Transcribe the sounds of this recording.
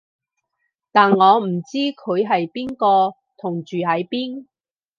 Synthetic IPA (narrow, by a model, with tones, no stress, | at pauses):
t̪aː˨nŋɔː˨˧m̩˨˩t͡siː˥kʰɵ˨˧ɥɦɐ˨jpiː˥nkɔː˧ | t̪ʰʊ˨˩ŋt͡ʃyː˨ɦɐ˨˧˥jpiː˥n